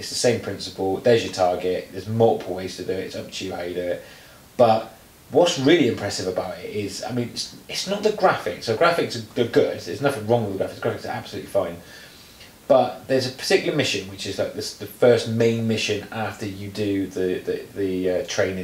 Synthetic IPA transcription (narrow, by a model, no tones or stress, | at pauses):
ɪtsðəsẽɪ̃mpʰɹ̥ɪ̃nsəpəlˠðəzjətʰɑːɡɪʔðəzmɔpʰɔɪz̥tʰədətɪtsʌb̥̚ʰhaʊjədʉɪʔ̚ | b̥ʌʔ | wɒtsɹɪəliɪ̃mpʰɹ̥ɛsɪvəbaʊtɪtɪza̰ɪmĩnɪtsɪtsnəʔ̪̚ðəɡɹafɪ̰ksoʊɡɹafɪksəəɡʊdɪɪtsnʌθɪ̃ŋɹɒ̃ŋwɪðəɡɹafɪksəɡɹafɪksʔa̰b̥səlʉˑʔlifãɪ̃n | b̥ʌʔðəzəpʰə̥tʰɪkjlˠəmɪʃə̃nwɪt͡ʃɪzlaɪk̚ðəsðəfɜˑstmẽɪ̃nmɪʃə̃nɑˑftəjədəðəðəðəʌtʰɹ̥ẽɪ̃nɪ̃